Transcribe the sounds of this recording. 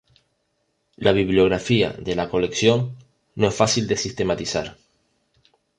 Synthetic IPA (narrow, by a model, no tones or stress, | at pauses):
lʔaβ̞iβljo̞ɣ̞ɾafia̰ðe̞lako̞le̞ksjo̞ŋ | noe̞sfasild̪e̞sist̪e̞mat̪isaɾ